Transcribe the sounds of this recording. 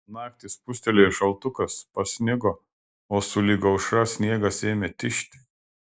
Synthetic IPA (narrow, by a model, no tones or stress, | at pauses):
nɑːkt̪ʲiːspʊsʲt̪ʲɛlʲeːɪʃɐlˠt̪ʊkɐspɐsʲnʲɪɡoː | oːsʊlʲiɡɐʊʃɾɐsʲnʲiɛɡɐseːmʲet̪ʲɪʃʲt̪ʲɪ̥